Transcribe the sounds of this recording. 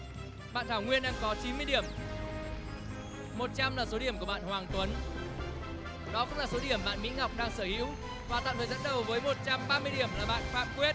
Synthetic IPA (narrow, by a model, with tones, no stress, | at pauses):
ɓa̰ː˧˨nt̪ʰaː˧˩wŋwi˧ənɗaː˧ŋkɔ˨˦t͡ɕi˨˦nmɨ˧əjɗi˧˩əm | mo˨˩t̚t͡ɕa˧mlaː˨˩so˨˦ɗi˧˩əmku˧˩ɓa̰ː˧˨nhwaː˨˩ŋt̪wə˨˦n | ɗɔ˨˦kʊ̰˧˥ŋ͡mlaː˨˩so˨˦ɗi˧˩əmɓa̰ː˧˨nmḭ˧˥ŋa˨˩wk͡p̚ɗaː˧ŋsəː˧˩hḭ˧˥w | vwaː˨˩t̪a̰ː˧˨wt̪əː˨˩zə̰˧˥nɗə˨˩wvəː˨˦jmo˨˩t̚t͡ɕa˧mɓaː˧mɨ˧əjɗi˧˩əmlaː˨˩ɓa̰ː˧˨nfaː˦˥m̚kwi˦˥t̚